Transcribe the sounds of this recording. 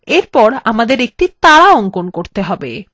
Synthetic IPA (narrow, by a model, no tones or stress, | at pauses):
eɾpɔɾamad̪eɾek̚ʈit̪aɽaoŋkonkoɾt̪eɦɔbḛ